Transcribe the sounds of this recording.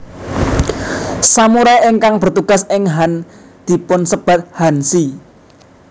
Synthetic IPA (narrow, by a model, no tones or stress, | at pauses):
samuɾɛʔɪŋkaŋb̥ə̤rt̪uɡ̥a̤sɪŋɦan | d̪̥i̤pʊnsəb̥a̤t̪̚hansi